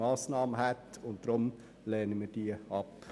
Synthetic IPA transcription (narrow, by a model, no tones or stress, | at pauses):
ɑːsnɑːməɦætʊnt̚d̥ɾʊm | lɛːnəmiːɾd̥iːəɑp